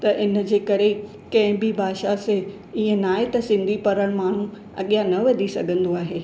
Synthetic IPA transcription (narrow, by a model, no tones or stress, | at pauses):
t̪ɐʔɪn̆d͡ʑeːkɐɾe | kɐ̃ɦɪ̃bibʱaːʃase | iə̃naːet̪ɐsɪ̃nd̪ʱipɐɾəɽ̃maːɳ̤ũ | ɐɠijanɐʋɐd̪ʱisɐɡʱə̃nd̪oaːɦeː